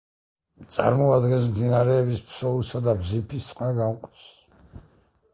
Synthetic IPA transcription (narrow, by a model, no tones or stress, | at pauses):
t̪sʼa̰ɾmɔad̪ɡɛnsmd̪inaɾɛːbispʰsɔusad̪abzipʰisʼqʼaɡamqʼi̥s